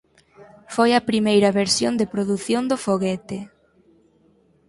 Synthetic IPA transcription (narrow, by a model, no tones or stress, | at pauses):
fojɐpɾimejɾɐβeɾsjond̪ɪpɾoðuθjond̪ʊfoɣɛt̪ɪ